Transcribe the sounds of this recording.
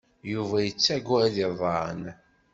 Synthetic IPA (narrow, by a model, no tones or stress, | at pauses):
juvæjət͡sːæɡæðiðˤɑɾə̰n